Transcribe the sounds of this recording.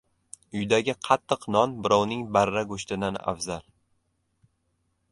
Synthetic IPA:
ʊjd̪aɡʲɪqʰɑt̪ʰːɨqnɒnbɪɾɒwnɪŋbaɾːaɡoʃt̪ɪd̪ana̰fzal

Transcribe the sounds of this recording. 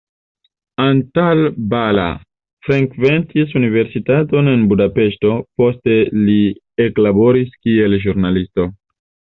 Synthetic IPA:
antalbala̰ | fɾeŋkve̞ntis̬unive̞ɾsitato̞ne̞nbudape̞ʃto̞po̞ste̞li | eklabo̞ɾiskie̞lʒuɾnalisto̞

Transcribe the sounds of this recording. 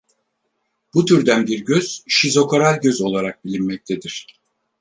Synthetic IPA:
b̥ut̪ʰyɾd̪ænbiɾɟøz̥ʃizo̞kʰoɾalʲɟø̞zo̞lˠaɾak̚bilʲinmɛc̚t̪ʰe̞d̪iɾ̥

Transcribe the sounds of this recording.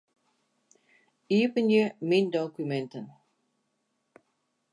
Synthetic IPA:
iːpənjəmind̪ɔkumɛnt̪ən

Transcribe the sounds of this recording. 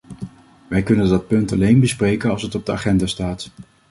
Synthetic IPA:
ʋɛjkɵnəndɑt̚pɵntɑlejnbəsprejkənɑlˠsətɔb̚dəaːχɛndaːstaːt

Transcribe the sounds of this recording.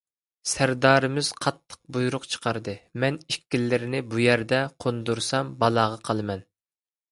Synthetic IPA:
sæɾd̪ɑːɾɨmɪz̥qʰɑt̪ʰːə̥q̚bujuɾʊqt͡ʃʰə̥qʰɑɾd̪ɨmɛnikʲːilːɪɾɪnɪbujæɾd̪ɛqʰond̪uɾsɑmbɑlˠɑːʁɑqʰɑlˠɨmɛn

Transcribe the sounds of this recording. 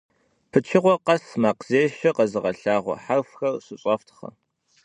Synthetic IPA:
pʰɨt͡ʃʰɪʁʷɔqɐsmaːqz̥eːʃɐqɐzɨʁɐɬaːʁʷɔ̰ħarfxɐrɕɨɕʼɐftʰχɐ̰

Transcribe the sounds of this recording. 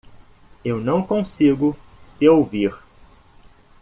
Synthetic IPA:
ewnɐ̃w̃kõsiɡʊ | t̪eowviɾ

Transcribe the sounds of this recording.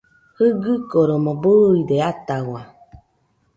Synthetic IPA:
hɯɡɯkoɾomɔbɯideat̪awa

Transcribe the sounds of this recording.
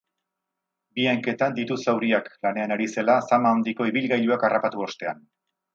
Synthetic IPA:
biaŋke̞t̪and̪it̪usawɾiaklane̞anaɾise̞lasamaond̪iko̞iβilɣajʎuakarapat̪uo̞st̪e̞an

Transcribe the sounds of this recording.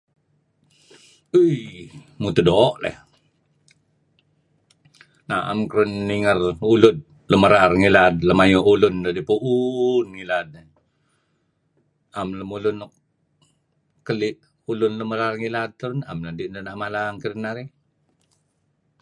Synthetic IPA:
əjmut̪udɔʔlɛ̰h | naa̰mkɾunːiŋərulʊt̪̚ | ləməɾarŋilad̪̚ləmajoulʊndadipuʔunŋilad̪̚ | amləmulʊnɔk̚ | kəliʔ | ulʊnləməɾarŋilad̪̚t̪əɾʊna̰mladiʔndənaʔmalaŋkəɾənaɾi

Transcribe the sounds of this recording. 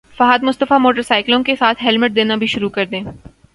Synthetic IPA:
fɐɦaːd̪mʊst̪əfamoːʈəɾsaːɪklõkesaːt̪ʰɦɛlmɪʈ̚d̪eːnabʱiʃʊɾukɐɾd̪ẽː

